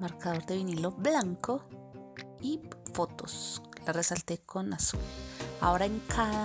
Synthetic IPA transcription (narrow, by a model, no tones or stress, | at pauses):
maɾkaðoɾd̪eβiniloblaŋko | ifot̪oslaresalt̪ekʰonasoa̰oɾaeŋkʰa